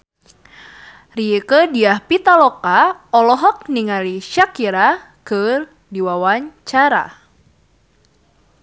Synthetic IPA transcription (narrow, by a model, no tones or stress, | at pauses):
riekədiahpit̪alɔkaɔlɔɦɔk̚niŋaliʃakiɾa | kɨr | diwawaɲt͡ʃaɾa̰